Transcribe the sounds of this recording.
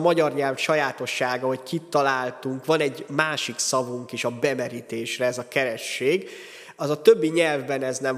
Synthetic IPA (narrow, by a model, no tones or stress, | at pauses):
mɒɟɒrɲɛlvʃɒjaːt̪o̞ʃːaːɡɒɦo̞ckit̪ːɒlaːlt̪uŋkʋɒnɛɟmaːʃiksɒvuŋkeʃɒbɛmɛɾit̪eːʃrɛɛzɒkɛɾɛʃːeːɡ | ɒzɒt̪øbːiɲɛlvbɛnɛznɛm